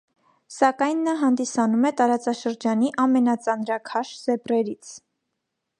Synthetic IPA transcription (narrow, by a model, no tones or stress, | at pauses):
sɑkɑjnːɑɦɑnd̪isɑnumɛt̪ɑɾɑt͡sɑʃəɾd͡ʒɑniʔɑmɛnɑt͡sɑnɾɑkʰɑʃz̥ɛprɛɾit͡sʰ